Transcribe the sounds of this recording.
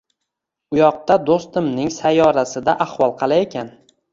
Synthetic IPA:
ʊjɒq̚t̪ad̪ost̪ɪmnɪŋsajɒɾasɪd̪aʔahwɒlˠqʰɑlˠajekʲan

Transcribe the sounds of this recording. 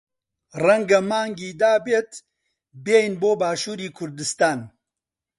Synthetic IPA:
rɛŋɡɐmaːŋɡiːd̪aːbeːt̪ | beːjnboːbaːʃuːɾiːkʰʊɾd̪ɨst̪aːn

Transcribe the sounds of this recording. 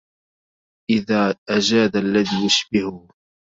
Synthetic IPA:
ʔɪðaːʔad͡ʒaːd̪alːaðiːjʊʃbɪhʊ

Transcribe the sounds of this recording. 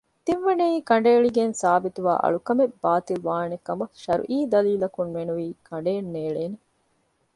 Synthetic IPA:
t̪iʋʋɐnɐiːkɐɳ̆ɖeːɭiɡensaːbit̪uʋa̰ːʔɐ̰ɭukɐmeb̥ːaːt̪ilʋaːnekːɐmɐʃɐɾṵʔiːd̪ɐliːlɐkunʋenuʋiːkʰɐɳɖeːnːeːɭeːne

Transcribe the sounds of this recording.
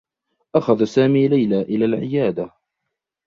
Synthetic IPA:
ʔaxaðasaːmiːlajlaːʔɪlaːlʕɪjaːd̪a

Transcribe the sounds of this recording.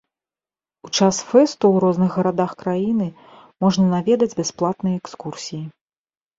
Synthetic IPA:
ut͡ʂasfɛst̪uwɾɔznɨɣɣɐɾad̪axkɾajinɨ | mɔʐnɐnavʲɛd̪ɐd͡zʲbʲasplˠat̪nɨjɐɛkskursʲiji

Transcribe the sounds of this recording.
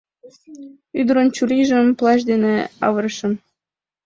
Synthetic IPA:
yd̪ə̆ɾənt͡ɕuɾiʒə̆mplˠɑʒ̬d̪eneɑβɤ̆ɾɤʃə̆n

